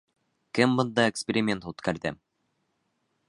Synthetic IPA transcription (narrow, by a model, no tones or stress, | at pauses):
kɘmbɤ̆nd̪ɑekspʲeɾʲɪmʲe̞nt̪ut̪kæɾðɘ